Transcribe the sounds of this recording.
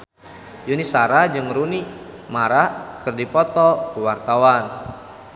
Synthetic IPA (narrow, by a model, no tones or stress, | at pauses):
junisaɾad͡ʒɨŋɾuni | maɾakɨrdipɔt̪ɔkəwart̪awan